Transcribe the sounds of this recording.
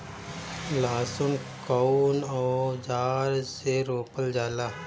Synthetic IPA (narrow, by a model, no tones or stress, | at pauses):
laːsʊn | kɔnɔːd͡ʒaːɾseɾoːpəld͡ʒaːlaː